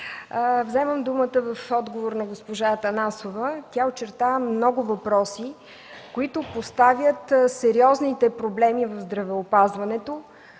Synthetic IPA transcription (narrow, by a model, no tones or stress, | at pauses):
vzɛməmd̪umət̪əvəfɔd̪ɡovoɾnɐɡospoʒaət̪ɐnasovət̪ʲaot͡ʃɛɾt̪amnɔɡʊvɐpɾɔsi | koit̪ʊpost̪avʲjət̪sɛɾiɔznit̪ɛpɾoblɛmivəvzd̪ɾɐvɛopazvɐnɛt̪o